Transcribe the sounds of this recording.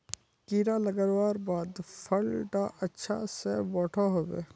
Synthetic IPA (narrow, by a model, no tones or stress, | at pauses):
kiːɾalɐɡəɾwaːɾbaːd̪pʰəlʈaʔɐtːʃʰa̰sebɔːʈʰaɦobḛː